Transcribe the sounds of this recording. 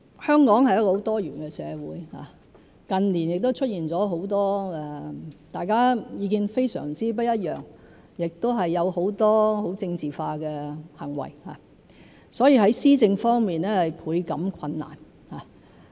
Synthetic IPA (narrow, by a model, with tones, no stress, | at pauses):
hœː˥ŋkɔː˨˥ŋhɐ˨jɐ˥kɔː˧ho˨˧˥wt̪ɔː˥jyː˨˩nkɛ˧sɛ̰ː˨˧wuː˨˥jha̰ː˨˩ | kɐ˨nliː˨˩njɪ˨k̚t̪o˥wt͡ʃʰɵ˥t̚jiː˨nt͡sɔː˨˥ɦo˨˥wt̪ɔː˥ɛ˨t̪aː˨˩jkaː˥jiː˨˧kiː˧nfe˥jsœ̰ː˨˩ŋt͡siː˥p̬ɐ˥jɐ˥t̚jœ̰ː˨˩ŋ | jɪ˨k̚t̪o˥wɦɐ˨jːɐ˨˧who˨˧˥wt̪ɔː˥ho˨˥wt͡sɪ˧ŋt͡siː˨faː˧kɛː˧hɐ˨˩ŋwɐ̰˨˩jha̰ː˨ | sɔː˨˥jiː˧hɐ˨˥jsiː˥t͡sɪ˧ŋfɔː˥ŋmiː˨nɛː˥hɐ˨jpʰuː˨˧jkɐ˨˥mkʰɐ˧nːa̰ː˨˩n | haː˨